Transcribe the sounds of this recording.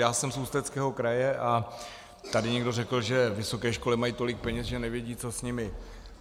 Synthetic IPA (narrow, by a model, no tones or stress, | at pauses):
jaːsɛmsuːst̪ɛt͡skɛːɦo̞kɾajɛʔa | t̪adɪɲɛɡdo̞rɛkl̩ʒɛvɪso̞kɛːʃko̞lɪmajiːt̪o̞lɪk̚pɛɲɛsʒɛnɛvjɛɟiːt͡so̞sɲɪmɪ